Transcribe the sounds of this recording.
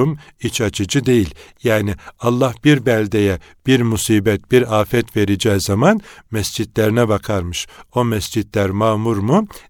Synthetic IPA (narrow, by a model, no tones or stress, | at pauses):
umit͡ʃʰat͡ʃʰɯd͡ʒɯd̪e̞jilʲjaːnialˠːahbiɾbɛlʲd̪ejɛ | b̥iɾmusiːbɛt̪̚b̥iɾaːfɛt̪ve̞ɾid͡ʒɛjzamanmɛsd͡ʒid̪lʲeɾinɛbakʰaɾmɯʃo̞mɛsd͡ʒid̪lʲæɾmaːmuɾmu